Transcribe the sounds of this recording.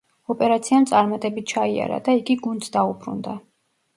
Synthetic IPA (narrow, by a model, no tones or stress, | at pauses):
ɔpʼɛɾat̪sʰiamt̪sʼaɾmat̪ʼɛbit̪̚t͡ʃʰaia̰ɾa̰d̪aiɡiɡundt̪d̪aubɾṵnd̪a